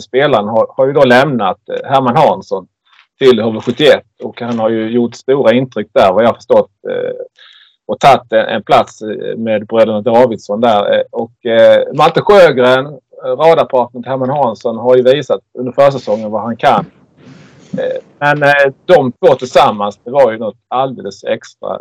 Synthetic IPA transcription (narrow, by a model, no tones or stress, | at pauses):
speːlaɾənɦaɾhaɾjɵd̪oːlɛmnat̪hæɾmanɦɑnsɔn | t̪ʰɪlhovəɧɵt̪ːɪɛt̪ːɔkhanhaɾjɵjʊʈst̪uːɾaɪnt̪ʰɾʏk̚ːd̪æɾvajɑhafə̥ʂtɔt̪ː | ɔt̪ʰat̪ːɛʔɛ̰npʰlat̪smeːd̪bɾøːd̪ənad̪ɑːvɪd̪sɔnd̪æɾɔkmat̪ːəɧøːɡəɾən | ɾɑːd̪apʰɑt̪nənɪhæɾmanhɑːnsɔnɦaɾjɵviːsat̪ɵnd̪əɾfœːʂ̬ɛsɔŋːənvahankʰan | mɛnd̪ɔmt̪ʰvoːt̪ʰɪlsamːansd̪ɛvaɾjɵnɔt̪ːald̪ḛːləsɛ̰kst̪ɾa̰